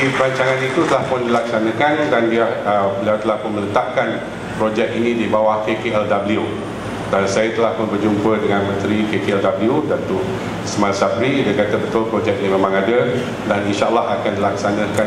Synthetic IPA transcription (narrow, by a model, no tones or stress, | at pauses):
ipəɾaɲt͡ʃaŋãnit̪ut̪əlahpʊndilaksanãkandanbiaəbəliawt̪əlahpʊnmələt̪aʔkan | pɾod͡ʒɛk̚inĩdibawahkekeɛldabəliu | dansajat̪əlahpʊnbərd͡ʒumpədəŋanmə̃nt̪ɾikekeɛldabliudat̪uʔ | ismansabidakat̪abət̪ʊlpɾod͡ʒɛk̚nĩmemãŋadə | daninʃaʔlːahakandilaksanãka